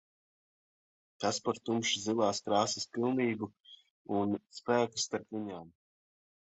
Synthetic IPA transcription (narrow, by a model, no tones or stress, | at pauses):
k̪aspaɾt̪umʃizilˠaːskɾaːsispilˠniːbu | unspæːku̥sːt̪aɾpvʲiɲaːm